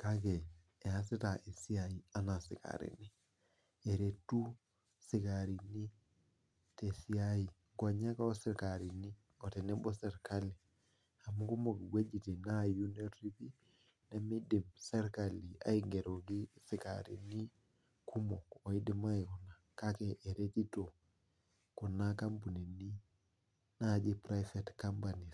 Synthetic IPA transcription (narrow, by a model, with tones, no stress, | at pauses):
ka˦ke˨ | ɛ˨a˨s̬i˦ta˨ʔe˨si˦ai˨a˦na˨sḭ˨ka̰ɾḭ˨ni˦ | e˨ɾe˨tu˦ | si˨kaɾi˨ni˦ | te˨si˦ai˨ | ɡɔ˨ɲa˦ka˦o˦si˦ɾkaɾi˨ni˦ | ɔ˨tɛ˨nɛ˦bɔ˦sɛ˨ɾka˦li˨ | a˨mu˦ku˦mo˨ɡi˨ɡʷwe˦d͡ʒi˨ti˨na˦ju˦ne˦ɾɾi˦pi˦ | na˦mi˦di˨msɛ˦ɾkali˨a̰˨˦iɡe˨ɾo˨ɡi˦si˨ka̰ɾḭ˨ni˦ | ku˦mɔ˨kɔ˨i˦di˦ma˦i˨ku˨na˨ka˦keʔːɾe˦ti˦to˨ | ku˨na˦ka˦mbu˨ne˨ni˦ | na˦˨d͡ʒi˦pɾa˦jfetka˦mpa˨ni˨